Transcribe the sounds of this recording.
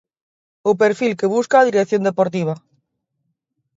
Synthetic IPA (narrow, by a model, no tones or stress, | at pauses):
op̬eɾfilkeβuskaːðiɾekθjond̪epoɾt̪iβ̞a